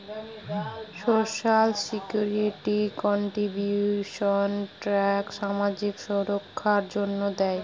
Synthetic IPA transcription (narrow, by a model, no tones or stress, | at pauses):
ʃoʃalsikjuɾiʈikɔɳʈɾibjuʃonʈɾɛkʃamad͡ʑikʃoɾokʰːaɾd͡ʑonːod̪ɛe